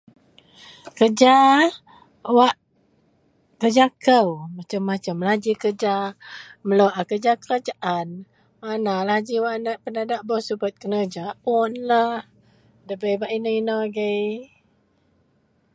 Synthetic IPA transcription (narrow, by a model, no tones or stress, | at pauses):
kəd͡ʒa | waʔ | kəd͡ʒakəwmat͡ʃəmːat͡ʃəmlad͡ʒikəd͡ʒaməloʔakəd͡ʒakəɾad͡ʒaʔan | manalad͡ʒiwaʔnəʔpənadaʔbɔsubət̪̚kənəd͡ʒaʊnlah | dəbəjbaʔinəinəɡəj